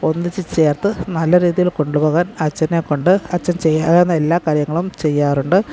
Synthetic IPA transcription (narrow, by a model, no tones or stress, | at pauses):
o̞nːɨt͡ɕːit͡ɕe̞ːrt̪ɨnɐlːɐɾiːðijilko̞ɳɖupo̞ːɣaːnɐt͡ɕːɐnekːo̞ɳɖɨɐt͡ɕːɐnt͡ɕe̞jːaːɾenːɐelːaːkaːɾjɐŋːɐɭumt͡ɕe̞jːaːruɳɖɨ